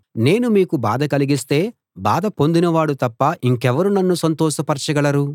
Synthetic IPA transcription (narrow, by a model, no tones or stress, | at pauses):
ne̞ːnumiːkuba̰ːd̪ɐkɐliɡist̪e̞ː | baːd̪ɐpo̞nd̪inɐʋaːɽut̪ɐpːɐʔiŋkɛʋɐɾunɐnːusɐnt̪ɔːʃɐpɐɾt͡ʃɐɡɐɭɐɾu